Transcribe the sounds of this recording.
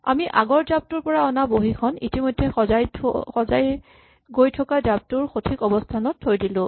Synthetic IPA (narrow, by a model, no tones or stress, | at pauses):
a̰miʔaɡɔɹdab̚tuɹpɔɹaɔnaboɦikʰɔnitimojdʱːɛzajʰxɔzaj | ɡojtʰɔkadap̚tʊɹxotʰikɔbɔstʰanɔtʰːojdilʊ̃